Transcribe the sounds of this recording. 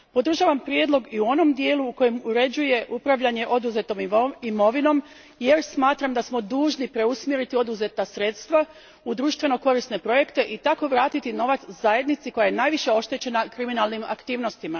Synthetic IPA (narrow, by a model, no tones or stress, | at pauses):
po̞d̪ɾr̩ʒaʋampɾje̞d̪lˠo̞ɡiuo̞no̞md̪jeːluːko̞jemuɾe̞d͡ʑuje̞ʔupɾaʋʎaɲe̞ʔo̞d̪uze̞t̪o̞mimo̞ʋino̞m | je̞ɾsmaːt̪ɾamd̪asmo̞d̪uːʒnipɾe̞usmjeɾit̪io̞d̪uze̞t̪asɾe̞t̪st̪ʋa | ud̪ɾuːʃt̪ʋe̞no̞ko̞ɾisne̞pɾo̞je̞kt̪e̞ʔit̪ako̞ʋɾaːt̪it̪ino̞ʋat̪szaje̞d̪nit̪siko̞jajenaːjʋiʃe̞o̞ʃt̪et͡ɕe̞nakɾiminalˠnima̰kt̪iːʋno̞st̪ima